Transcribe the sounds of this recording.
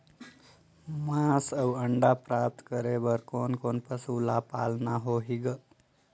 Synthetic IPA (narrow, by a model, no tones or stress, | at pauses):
masəwəɳɖapɾap̚t̪kəɾebəɾkonkonpəsulapa̰lnaɦoɦiɡə